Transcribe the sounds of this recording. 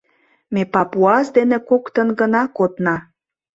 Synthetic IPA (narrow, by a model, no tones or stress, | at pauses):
mepɑpuɑsd̪enĕkokt̪ə̆nɡənɑkot̪nɑ